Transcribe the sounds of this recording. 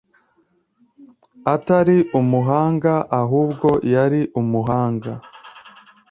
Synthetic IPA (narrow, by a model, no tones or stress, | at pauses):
ataɾiʔumuɦaːŋɡaʔaɦuːbɡo̞jaɾiʔumuɦaːŋɡa